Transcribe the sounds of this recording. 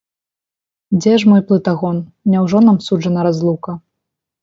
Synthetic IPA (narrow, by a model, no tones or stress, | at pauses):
d͡zʲɛʂmɔjplˠɨt̪aɣɔnnʲɛwʐɔnamsud͡ʐɐnɐɾazlˠukɐ